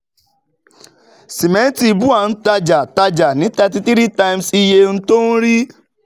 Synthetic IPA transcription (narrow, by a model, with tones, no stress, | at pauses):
si˨mɛ̃˨˦n˦ti˦˧bu˦a˨n̩˦ta˧d͡ʒa˨ta˧d͡ʒa˨nĩ˨˦tɛ˧t̬i˦ti˦ɾi˦ta˧i˧msi˧je˧n̩˦to˦n̩˦ɾi˦